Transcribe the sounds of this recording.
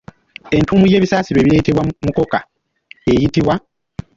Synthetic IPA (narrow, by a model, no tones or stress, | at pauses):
e̞ntuːmuje̞ːβisaːsiɾwe̞ːβiɾe̞ːte̞βwamuko̞ka | e̞jitiβwa